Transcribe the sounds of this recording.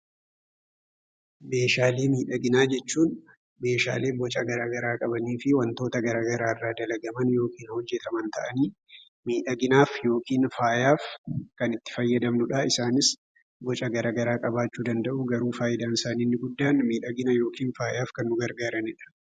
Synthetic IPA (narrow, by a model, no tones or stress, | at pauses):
me̞ːʃaːleːmiːᶑɐɡɪnaːd͡ʒɛt͡ʃːuːn | me̞ːʃa̰ːle̞ːbɔt͡ʃʼɐɡɐɾaːɡɐɾaːkʼɐbɐniːfɪwɐnt̪o̞ːt̪ɐɡɐɾaːɡɐɾaːrːaːd̪ɐlɐɡɐmɐnjo̞ːkʰiːnhɔd͡ʒːɛt̪ɐmɐnt̪ɐʔɐniː | miːᶑɐɡɪnaːfjo̞ːkiːnfaːjaːfkɐnɪt̪ːɪ̥fɐjːɐd̪ɐmnʊᶑɐɪsaːnɪs | bɔt͡ʃʼɐɡɐɾaːɡɐɾaːkʼɐbaːt͡ʃːuːd̪ɐnd̪ɐʔʊɡɐɾuːfaːjɪd̪aːnɪsaːniːnːɪɡʊd̪ːaːnmiːᶑɐɡɪnɐjo̞ːkiːnfaːjaːfkɐnːʊɡɐɾɡaːɾɐnɪᶑɐ̥